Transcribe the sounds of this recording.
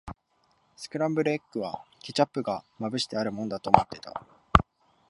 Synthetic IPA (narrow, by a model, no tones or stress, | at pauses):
sɨ̥kɯ̟ɾãmbɯ̟ɾɯ̟ekːɯ̟βakʲit͡ɕapːɯ̟ɡamabɯ̟ɕi̥t̪eaɾɯ̟mõ̞nd̪at̪oːmot̪ːe̞t̪a̰